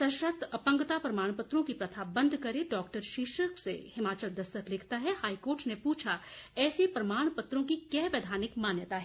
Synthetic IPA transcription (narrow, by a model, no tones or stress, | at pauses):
sɐʃəɾt̪ʰɐpə̃ŋɡt̪apɾɐmaːɽ̃pʊt̪ɾõkipɾɐt̪ʰabɐ̃nd̪ʱkɐɾeɖɔːkʈəɾʃiːʃəksḛhɪmaːt͡ʃəld̪ɐst̪əɾlɪkʰt̪aɦɛhaːikoːɾʈnepuːt͡ʃʰaɛːsepɾɐmaːɽ̃pʊt̪ɾõkikjɛːʋeːd̪ʱaːnɪkmaːnjət̪aɦɛ